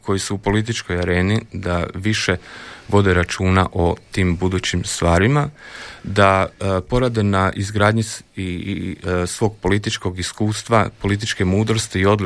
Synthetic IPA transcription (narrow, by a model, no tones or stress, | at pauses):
ko̞jisuupo̞lit̪̬it͡ʃko̞jaɾe̞ːnid̪aʋiʃe̞ʋo̞d̪eɾat͡ʃuːnaʔo̞t̪iːmbud̪uːt͡ɕimst̪ʋaːɾimad̪apo̞ɾad̪e̞naʔizɡɾaːd̪ɲii | sʋo̞ːɡ̚po̞lit̪̬it͡ʃko̞ɡiskuːst̪ʋapo̞lit̪̬it͡ʃke̞muːd̪ɾo̞st̪iːo̞d̪l